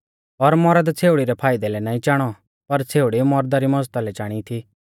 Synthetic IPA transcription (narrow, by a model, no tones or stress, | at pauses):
ɔɾmɔɾad̪t͡sʰeːuɽiɾɛpʰaːɪd̪ɛlɛnãːĩt͡ʃaːɽ̃ɔ | pɐɾt͡sʰeːuɽimɔɾd̪aɾimɔd͡zt̪alɛt͡ʃaːɽ̃it̪ʰi